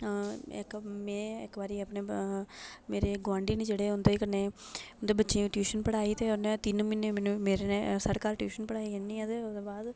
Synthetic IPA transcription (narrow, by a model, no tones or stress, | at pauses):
ɪ̰kmɛ̃ːɪkbaːɾiːəpneː | meːɾeːɡʋãːɳɖiːniːd͡ʒeːɽeːʊnd̪eːikəneː | nd̪oːbətːʃeːʈjuːʃənpəɽaːiːt̪eːʊneːt̪ɪnmɪneːmɛːnũːmeːɾenesəɽkaːlʈjuːʃənpəɽaːiːenĩːəd̪eod̪oːbaːd̪